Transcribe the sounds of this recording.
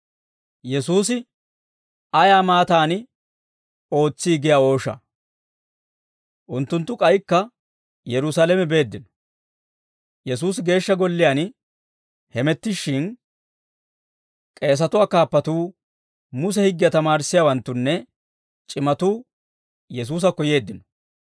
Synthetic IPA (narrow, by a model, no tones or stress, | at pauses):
jɛsuːs̬ɪ | ɐjaːmaːt̪aːnɪ | o̞ːt͡sːiːɡɪjao̞ːʃɐ̰ | ʔʊnt̪ːʊnt̪ːʊkʼɐjkːɐ | jɛɾʊsaːlɛmɛbe̞ːd̪ːɪnɔ̥ | jɛsuːsɡe̞ːʃːɐɡɔlːɪjan | hɛmɛt̪ːɪʃːɪn | kʼe̞ːs̬ɐt̪ʊwaːkaːpːɐt̪uː | mʊs̬ɛhɪɡːɪjɐt̪ɐmaːɾsːɪjaːwɐnt̪ːʊnːɛ | t͡ʃʼɪmɐt̪uː | jɛs̬uːs̬ɐkːɔje̞ːd̪ːɪnɔ̥